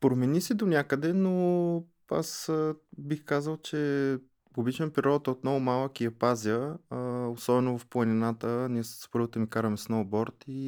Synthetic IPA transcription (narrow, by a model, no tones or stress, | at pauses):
pɾomɛnisid̪onʲakəd̪ɛno | a̰səbixkazəlˠt͡ʃɛ | pobit͡ʃɛnpɾiɾɔd̪t̪ot̪nɔɡʊmalˠəkiɐpazʲiə | osɔbɛnovɐfplˠɐnʲinat̪əniɛspɤɾvot̪əmikaɾəmɛsnɔbɔɾt̪i